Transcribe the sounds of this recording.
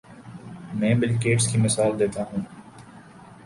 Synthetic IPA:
mɛ̃ːbɪlkeːʈskimɪsaːld̪eːt̪aɦũː

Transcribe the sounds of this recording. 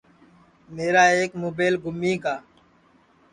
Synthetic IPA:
meːɾaːeːkmoːbeːlɡʱʊmːiːkaː

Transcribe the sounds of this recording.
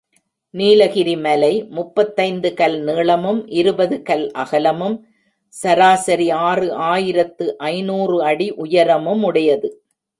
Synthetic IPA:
niːlɐɣɪɾimɐlɐɪmʊpːɐt̪ːɐɪnd̪ɯkɐlneːɭɐmɯmʔɪɾɯbɐðɯkɐlʔɐɣɐlɐmɯm | sɐɾaːsɐɾiaːrɯʔaːjɪɾɐt̪ːɯʔɐɪnuːrɯɐɽiʔʊjɐɾɐmɯmʊɽɐjɐðɯ

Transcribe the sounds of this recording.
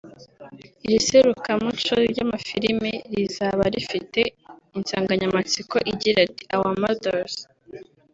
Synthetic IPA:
iɾiseɾukamut͡ʃoɾɟamafiɾimeɾizaβaɾifite̞insaːŋɡaɲamat͡siko̞ʔiɟiɾati̥ʔawamadoɾz

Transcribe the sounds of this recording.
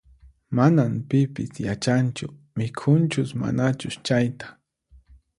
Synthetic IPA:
manampɪpɪsjat͡ʃant͡ʃʊ̰ | mɪkʰʊnt͡ʃʊsma̰nat͡ʃʊʃt͡ʃajt̪ḁ

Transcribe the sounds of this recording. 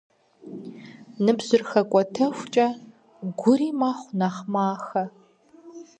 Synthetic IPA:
nɨbzɨrxɐkʷʼɔtʰɐxʷt͡ʃʼɐ | ɡʷʊɾiːmaːχʷnaχmaːxɐ

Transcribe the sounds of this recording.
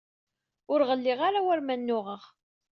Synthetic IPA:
ʊɾʁəlːɪʁaɾawæɾmænːʊʁəʁ

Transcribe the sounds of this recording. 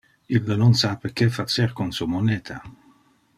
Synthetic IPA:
ilːnonsapek̟efat͡ʃeɾkonsumoneːt̪ʰa

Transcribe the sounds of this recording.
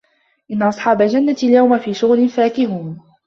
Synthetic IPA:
ʔɪnːaʔɑsˤħɑːbald͡ʒanːaɪljawmafiːʃʊɣlɪnfaːkɪɦuːn

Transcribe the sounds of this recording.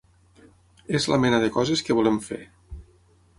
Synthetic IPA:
ezlamɛnəðəkɔzeskəβuleɱfḛɾ

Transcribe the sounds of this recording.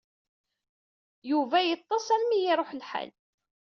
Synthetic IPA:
juvæjət̪ˤːɑsˤælmijiɾˤoħlħa̰l

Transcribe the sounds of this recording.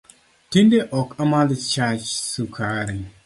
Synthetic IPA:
tindeʔɔkamalɪt͡ʃat͡ʃsukʰaɾɪŋ

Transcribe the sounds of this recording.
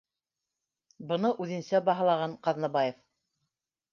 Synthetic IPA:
bɤ̆nɤʔʉðɘ̆nsæbɑɦɑ̆lˠɑʁɑɴqɑðnɑbɑjef

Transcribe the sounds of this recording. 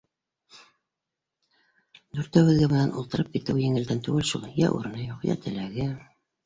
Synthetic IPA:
d̪ʉɾt̪æwɘ̆ðɡæmɤ̆nænʔulˠt̪ɤ̆ɾɤp̚kit̪ɘwjɘ̆ŋɘ̆ld̪ænt̪ʉɡɘlʃulˠjæ̰ʔṵɾɤ̆nɤjuqjæ̰t̪ʰɘ̆læɡɘ

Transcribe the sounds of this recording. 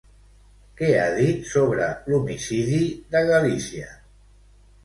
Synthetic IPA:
kɛa̰ðit̪soβɾəlumisiðiðəɣəlisiə

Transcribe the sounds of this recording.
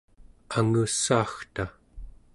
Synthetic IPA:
aŋusːaːxt̪a

